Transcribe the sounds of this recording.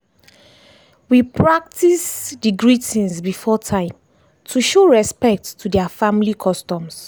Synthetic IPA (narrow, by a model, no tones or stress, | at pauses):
wipʰɹak̚tʰisdiɡɹitĩnsbifɔtʰãɪ̃m | tʰuʃoɹɛspɛk̚tːudɛafãmilikʰɔstɔ̃ms